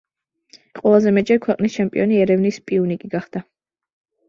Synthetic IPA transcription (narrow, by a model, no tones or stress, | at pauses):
qʼwɛlˠazɛmɛt͡ʃʼɛɾkʰwɛqʼnist͡ʃʰɛmpʼḭɔniɛɾɛvnispʼiunikʼiɡaχd̪̥a